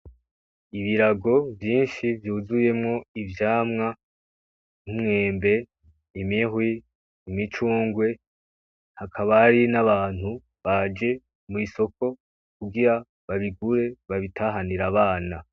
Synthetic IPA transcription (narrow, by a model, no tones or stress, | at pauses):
iβiɾaɡo̞vjiːnʃivjuːzuje̞mŋo̞ivjaːmŋa | n̥umŋe̞ːmbe̞ | imihwi | imit͡ʃuːŋɡwe̞ | hakʰaβaɾinaβaːn̥hu | βad͡ʒe̞ | mwiso̞ko̞ | kuɡiɾa | βaβiɡuɾe̞βaβitʰaːɦaniɾaβaːna